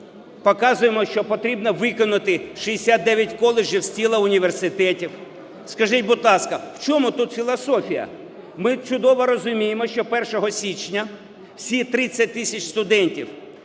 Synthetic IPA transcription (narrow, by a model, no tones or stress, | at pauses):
pɔkɑzʊjemɔʃt͡ʃɔpɔt̪ɾʲibnɔʋɪkɔnʊt̪ɪʃijesʲad̪̚d̪ɛʋʲjɐtʲkɔlˠed͡ʒiwsʲtʲilˠɐʊnʲiʋersɪt̪ɛtʲiw | skɐʒɪtʲbʊd̪lˠɑskɐw̥t͡ʃɔmut̪ut̪fʲilˠɔsɔfʲijɐ̰ | mɪt͡ʃʊd̪ɔʋɔɾɔzʊmʲijemɔʃt͡ʃɔpɛrʃɔɦɔsʲit͡ʃnʲɐ | wsʲit̪ɾɪt͡sʲːɐt̚ʲt̪ɪsʲɐt͡ʃʲst̪ʊd̪ɛnʲtʲiw